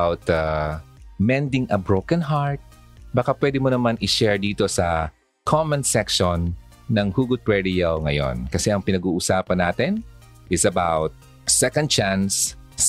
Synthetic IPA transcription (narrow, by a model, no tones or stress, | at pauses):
awt̪ɐ | mɛ̃nd̪ɪŋʔɐbɹowkɐnɦaɹt̪̚ | bakapwɛd̪ɪmonɐmanɪʃɛɹd̪iːt̪o̞sɐ | kʰomɐ̃nsɛkʃonː | ɐŋhuːɡʊd̪̚pɹɛɹɪjɐwŋɐjo̰nkɐsɛʔɐŋpɪnɐɡuːʔʊsaːpɐnːaːt̪ɪn | ʔɪsɐbawt̪̚ | sɛkɐ̃nd̪̚t͡ʃãns